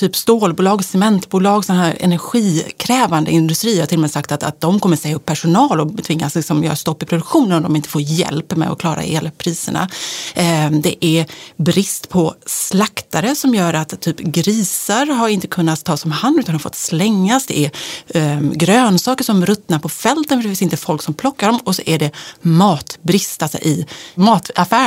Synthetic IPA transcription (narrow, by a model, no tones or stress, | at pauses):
t̪ʰyːpst̪oːlbuːlɑːɡsɛmɛnt̪buːlɑːɡsɔnaɦæːɾɛ̰næɾɧiːkʰɾɛːvand̪ə̰ɪnd̪ɵst̪ɾiːhat̪ʰɪlːɔmɛjsakt̪at̪a̰t̪̚d̪ɔmkʰɔmːəsɛjaɵpʰːæʂʊnɑːlɔt̪ʰvɪŋːaslɪksɔmjœ̰ːɾast̪ɔpːɪpʰɾʊd̪ɵkɧuːnənɔmd̪ɔmɪnt̪ə̥foːɾjɛ̰lpmɛ̰ɔ̰kʰlɑːɾa̰eːlpʰɾiːsə̰ɳa̰ | d̪ɛ̰ʔæɾbɾɪst̪pʰɔslakt̪aɾəsɔmjœːɾat̪ʰːyːpɡɾiːsaɾɦaɾɪnt̪əkʰɵnːat̪t̪ʰːɑːsɔmhanʉt̪anhaɾfɔ̰t̪ːslɛŋːasd̪ɛ̰ʔæɾ | ɡɾøːnsɑːkəʂɔmɾɵt̪naɾpʰɔfɛlt̪ənfœɾɖɛfɪsɪnt̪əfɔlksɔmpʰlɔkːaɖɔmɔsɔʔæɖɛmɑːt̪bɾɪst̪alsɔ̰ʔɪmɑːt̪afæː